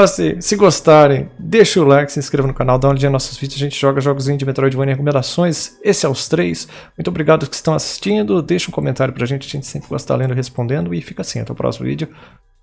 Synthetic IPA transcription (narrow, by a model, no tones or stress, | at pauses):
ɔsɪsɪɡost̪aɾẽj̃d̪eʃʊlakɪ̥sɪ̃skɾevɐnʊkanawd̪ãw̃ld͡ʒĩnɔsʊzvid͡ʒʊzaʒẽnt͡ʃɪʒɔɡɐʒɔɡʊzĩɲʊzd͡ʒɪmet̪ɾɔjd͡ʒɪvɐ̃nɪ̃hekomẽd̪asõj̃sesɪɛst̪ɾejs | mũt̪ʊobɾiɡad̪ʊskɪ̥st̪ɐ̃w̃asi̥st͡ʃĩnd̪ʊd̪ejʃɐũkomẽnt̪aɾjʊpɾɐʒẽnt͡ʃɪɐʒẽnt͡ʃɪsẽpɾɪɡɔst̪a̰lẽnd̪ɪhespõnd̪ẽnd̪ʊɪfikɐasĩɐ̰̃t̪ɐ̃w̃pɾɔ̰simʊ̰vḭd͡ʒʊ